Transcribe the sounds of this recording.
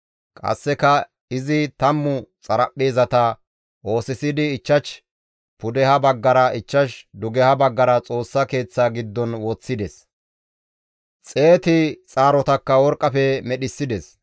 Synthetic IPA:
kʼɐ̰sːɛkɐ | ɪzɪt̪ɐmːʊt͡sʼɐɾɐpːeːzɐt̪ɐ | ʔo̞ːsɪsɪd̪ɪːt͡ʃːɐt͡ʃ | pʊd̪ɛhɐbɐɡːɐɾɐʔɪt͡ʃːɐʃd̪ʊɡɛhɐbɐɡːɐɾɐt͡sʼo̞ːsːɐke̞ːt͡sːaːɡɪd̪ːɔnwɔt͡sːɪd̪ɛs | t͡sʼe̞ːt̪ɪt͡sʼaːɾɔt̪ɐkːɐwɔɾkʼːɐfɛmɛɗɪsːɪd̪ɛs

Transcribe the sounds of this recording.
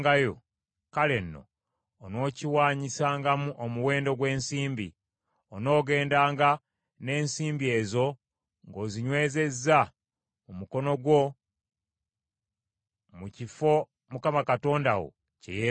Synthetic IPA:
ɡajo̰ | kalenːo̞̰ː | no̞ːciwaːɲisaːŋɡamuʔomuwe̞ːndo̞ɡwe̞ːnsiːmbḭ | ono̞ːɡe̞ːndaːŋɡa | ne̞ːnsiːmbie̞ːzo̞ | ŋɡo̞ːziɲwe̞ːze̞zːa | umuko̞no̞ɡwo̞ | mucifo̞ | mukamakato̞ːndawo̰ | cḛje

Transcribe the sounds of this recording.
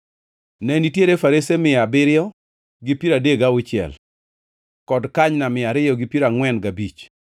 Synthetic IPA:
nɛnitjeɾefaɾesemɪabɪɾɪɔ | ɡipiɾadeɡawʊt͡ʃɪɛ̰l | kɔdkaɲnamɪaɾɪjɔɡipiɾaŋwɛnɡabit͡ʃ

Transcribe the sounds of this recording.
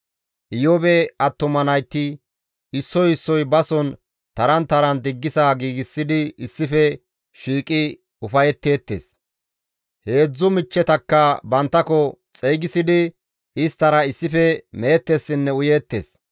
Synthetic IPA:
ʔɪjɔbɛɐt̪ːʊmɐnɐjt̪ːɪ | ɪsːɔjɪsːɔjbɐsɔn | t̪ɐɾɐnt̪ɐɾɐnd̪ɪɡːɪsaːɡiːɡɪsːɪd̪ɪɪsːɪfɛ | ʃiːkʼɪ | ʊfɐjɛt̪ːe̞ːt̪ːḛːs | he̞ːd͡zːʊmɪt͡ʃːɛt̪ɐkːɐbɐnt̪ːɐkɔt͡sʼejɡɪsɪd̪ɪ | ɪst̪ɐɾɐɪsːɪfɛmeːt̪ːesːɪnːɛʊjeːt̪ːḛːs

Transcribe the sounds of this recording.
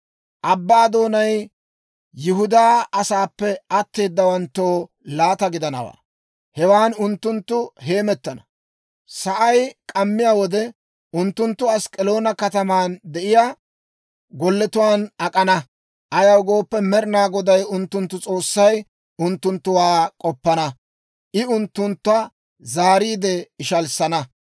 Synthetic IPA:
ʔɐbːaːd̪o̞ːnɐj | jɪɦʊd̪aːɐsaːpːɛɐt̪ːe̞ːd̪ːɐwɐnt̪ːo̞ː | laːt̪ɐɡɪd̪ɐnɐ̰wa̰ː | hɛwaːnʊnt̪ːʊnt̪ːʊɦe̞ːmɛt̪ːɐnɐ | sɐʔɐjkʼɐmːɪjaːwɔd̪ɛ | ʊnt̪ːʊnt̪ːʊɐskʼɛlo̞ːnɐkɐt̪ɐmaːnd̪ɛʔɪjaː | ɡɔlːɛt̪ʊwaːnɐkʼɐnɐ | ʔɐjɐwɡo̞ːpːɛmɛɾnaːɡɔd̪ɐjʊnt̪ːʊnt̪ːʊt͡sʼo̞ːsːɐj | ʊnt̪ːʊnt̪ːʊwaːkʼɔpːɐnɐ | ʔɪʊnt̪ːʊnt̪ːʊɐ | zaːɾiːd̪ɛɪʃɐlsɐnɐ

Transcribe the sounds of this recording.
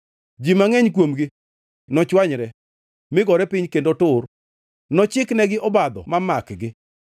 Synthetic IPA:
d͡ʒimaŋɛɲkwomɡɪ | nɔt͡ʃwaɲɾɛ | mɪɡɔɾɛpɪɲkendotʊr | nɔt͡ʃɪknɛɡɪʔɔbad̪ɔ̰mamakɡɪ

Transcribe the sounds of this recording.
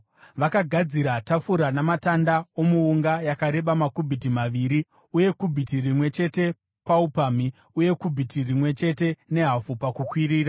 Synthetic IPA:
ʋakaɡʱad͡ziɾatafuɾanamatandaomuːŋɡajakaɾe̞ɓamakubʱitimaʋiɾi | uje̞kubʱitirimwe̞t͡ʃe̞te̞ | paupami | uje̞kubʱitirimwe̞t͡ʃe̞te̞ne̞ɦafupakukwiɾiːra

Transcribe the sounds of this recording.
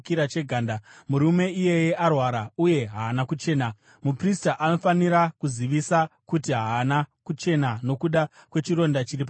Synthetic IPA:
kiɾat͡ʃe̞ɡʱaːndamuɾume̞ije̞jeʔarwaɾauje̞ɦaːnakut͡ʃe̞ːna | mupristaʔano̞faniɾakuziʋisakutiɦaːnakut͡ʃe̞nano̞kuɗakwe̞t͡ʃiɾo̞ndat͡ʃiɾip̬a

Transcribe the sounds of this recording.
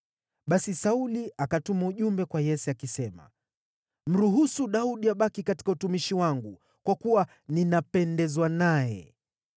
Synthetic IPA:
ɓasisauliakatumauʄumbɛkwajɛsɛakisɛma̰ | m̩ɾuɦusuɗauɗiaɓakikati̥kautumiʃiwaŋɡu | kwakuwa | ninapɛndɛzwanajɛ̰

